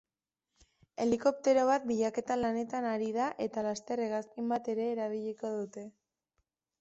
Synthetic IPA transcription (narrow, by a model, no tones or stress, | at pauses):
e̞liko̞p̚t̪e̞ɾo̞β̞at̪̚biʎake̞t̪alane̞t̪anaɾiðaʔe̞t̪alast̪e̞reɣaskimbat̪e̞ɾe̞ːɾaβiʎiko̞ðut̪e̞